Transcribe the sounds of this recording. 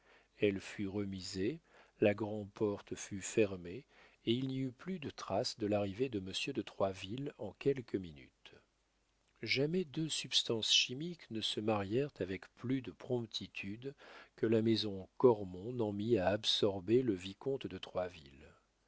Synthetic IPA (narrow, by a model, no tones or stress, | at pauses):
ɛlfyʁəmizelaɡʁɑ̃pɔʁt̪fyfɛʁmeː | ilniyplyd̪ət̪χasd̪əlaʁived̪əməsjød̪ət̪χwavilɑ̃kʲɛlkʰəminy̰t̪ | ʒamɛd̪øsypst̪ɑ̃sʃimiknəsəmaʁjɛʁt̪avɛkplyd̪əpχɔ̃pt̪ʰit̪ʰyd̪kəlamɛzɔ̃kɔʁmɔ̃nɑ̃miaːbsɔʁbeləvikɔ̃t̪d̪ət̪χwavil